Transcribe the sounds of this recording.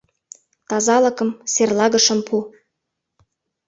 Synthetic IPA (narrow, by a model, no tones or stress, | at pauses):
t̪ɑzɑlɤ̆kɤ̆mserlɑɣɤ̆ʃɤ̆mpʰu